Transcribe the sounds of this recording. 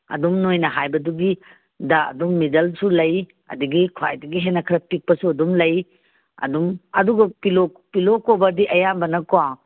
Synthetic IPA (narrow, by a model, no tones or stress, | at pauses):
ɐ̰dumnojnɐɦajbɐduɡi | daɐ̰dumːidɐlsulɐj | ɐ̰duɡikʰua̰jdɐɡiɦenːɐkʰɾɐpik̚pɐsuɐdumlɐj | ɐ̰dumɐduɡɐpilopilokobɐdiʔɐjambɐnɐkowaŋ